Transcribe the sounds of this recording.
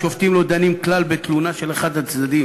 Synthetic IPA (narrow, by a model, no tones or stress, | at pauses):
ʃoft̪imlod̪animklalbet̪lunaʃe̞leχad̪at͡sd̪ad̪im